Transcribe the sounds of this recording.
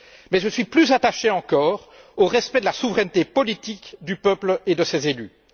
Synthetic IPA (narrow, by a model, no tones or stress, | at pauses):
mɛʒəsɥiplyzat̪aʃeɑ̃kɔːʁ | oʁɛspɛd̪əlasuvʁɛnt̪epɔlit̪ikd̪ypəpled̪əsezely